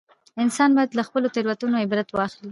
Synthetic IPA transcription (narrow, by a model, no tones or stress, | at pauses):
ɪnsɑnbɑjad̪laxpəlot̪ɪɾwat̪unoɪbɾat̪wɑxli